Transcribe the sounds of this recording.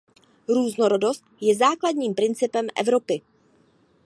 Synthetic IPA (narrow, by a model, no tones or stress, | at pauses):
ɾuːznoɾo̞do̞st̪̚jɛzaːkladɲiːmpɾɪnt͡sɪpɛmʔɛ̰vɾo̞pɪ